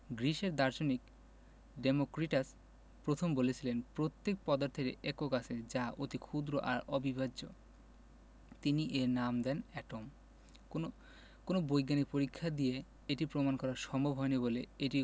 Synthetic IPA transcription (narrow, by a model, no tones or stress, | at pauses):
ɡɾiʃeɾd̪aɾd͡ʑonik | ɖemokɾiʈas | pɾot̪ʰombolet͡ɕʰilenpɾot̪ːek̚pɔd̪oɾt̪ʰekeʔɛkokat͡ɕʰed͡ʑaot̪ikʰud̪ɾoʔa̰ɾɔbʱibʱad͡ʑo | t̪iniʔeɾnamd̪ɛnɛʈom | koo | konobojɡanik̚poɾikʰːad̪ie | eʈipɾomankɔɾaɾʃɔmbʱobʱɦɔeniboleeʈi